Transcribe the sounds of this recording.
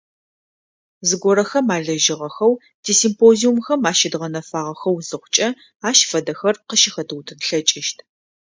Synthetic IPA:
zɨɡʷɔɾɐxɐmaːɮɐʒɪʁɐxɐw | d̥iːsimpʰoːziumxɐmaːʃɪdʁɐnɐfaːʁɐxɐwzɨχʷʊt͡ʃʼɐ | aːʃfɐdɐxɐrqəʃɪxɐtʰɨwtʰɨnɬɐt͡ʃʼɪʃtʰ

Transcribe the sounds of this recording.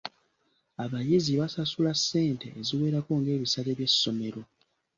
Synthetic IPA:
aβajiziβasasulasːe̞ːnte̞̰ʔːziwe̞ːɾako̞ŋɡe̞ːβisaleβje̞sːo̞me̞ɾo̞

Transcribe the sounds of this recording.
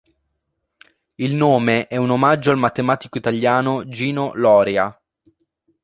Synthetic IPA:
ilnoːmeʔɛunomad͡ʒːoalmat̪ːemaːt̪ikoit̪aʎːaːnod͡ʒiːnolɔːɾea

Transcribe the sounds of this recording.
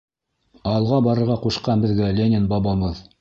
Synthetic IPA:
ɑlˠʁɑbɑɾɤ̆ɾʁɑquʃqɑnbɘ̆ðɡælʲenʲɪnbɑbɑβɤð

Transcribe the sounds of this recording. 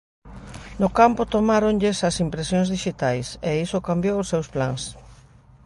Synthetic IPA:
nʊkampʊt̪omaɾonʎɪsɐsimpɾesjoŋzðiʃit̪ajseisʊkambjowʊsːewsplaŋs

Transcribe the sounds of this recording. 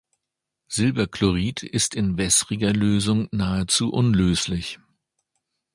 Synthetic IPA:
z̥ɪlbɐklɔʁiːtʰɪstʰɪnvɛsʁɪɡɐløːzʊŋnaːət͡suːʔʊnløːslɪç

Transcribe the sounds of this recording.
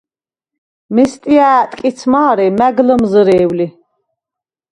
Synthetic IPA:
mɛst̪ʼiaːt̪ʼkʼit̪sʰmaːɾɛmæɡləmzəɾɛːwli

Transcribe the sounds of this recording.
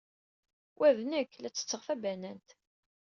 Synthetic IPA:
wʔæðnəkːlæt͡sːə̥t͡sːəʁfæbænænt̪

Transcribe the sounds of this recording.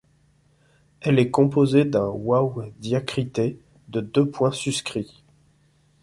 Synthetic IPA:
ɛlɛkɔ̃pozed̪ɛ̃wawd̪jakχit̪e | d̪əd̪øpwɛ̃syskχi

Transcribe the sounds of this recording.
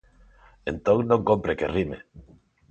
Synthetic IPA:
ent̪õŋnõŋkompɾekerimḛ

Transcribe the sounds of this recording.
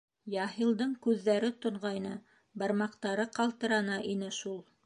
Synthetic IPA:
jɑɦilˠd̪ɤɴkʉðːæɾɘt̪ŏɴʁɑjnɤ | bɑɾmɑqt̪ɑɾɤqɑlˠt̪ɤ̆ɾɑnɑʔinɘʃulˠ

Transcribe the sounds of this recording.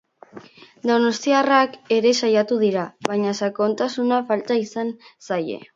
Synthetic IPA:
d̪o̞no̞st̪iarake̞ɾe̞sajat̪uðiɾaβaɲasako̞nt̪asunafalt̪aisansaje̞̰

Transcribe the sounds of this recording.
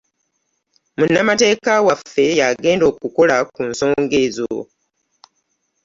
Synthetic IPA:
munːamate̞ːkawafːe̞jaɡe̞ːndo̞ːkuko̞lakunso̞ːŋɡe̞zo̰

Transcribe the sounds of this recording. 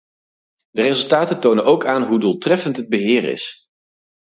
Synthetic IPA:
dərezɵlˠtaːtəntownənowkaːnɦuduːlˠtrɛfəntɦəd̚bəɦɪːɹɪ̰s

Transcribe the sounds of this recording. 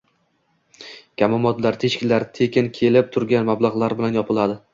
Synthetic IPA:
kʲʰamɒmɒt̪laɾt̪ʰeʃkʲɪlaɾt̪ʰekʲɪnkʲʰe̞lɪp̚t̪ʰʊɾɡʲanmablˠaʁlˠaɾbɪlanjɒpʰɪlˠad̪ɪ

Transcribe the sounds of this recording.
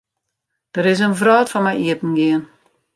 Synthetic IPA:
d̥əɾɪs̬ənvrɔːtfɔnmɛjiəpn̩ɡɪən

